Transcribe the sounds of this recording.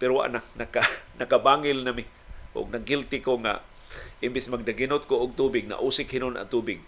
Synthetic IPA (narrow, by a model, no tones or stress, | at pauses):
pɪɾowa̰ʔnak̚nakanakabaŋɪlnamɪ | ʔʊ̰ɡ̚naɡɪlt̪ɪkoŋa̰ | ʔɪmbɪsmaɡ̚daɡinʊt̪̚koʊɡ̚t̪uːbɪɡ̚na̰ʔuːsɪkhɪnʊna̰t̪uːbɪɡ̚